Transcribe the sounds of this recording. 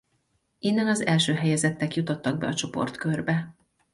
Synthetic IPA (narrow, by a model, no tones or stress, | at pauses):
inːɛnɒzɛlʃøːɦɛjɛzɛt̪ːɛkjut̪o̞t̪ːɒɡ̚bɛ̰ɒt͡ʃo̞po̞̰rt̪kø̞rbɛ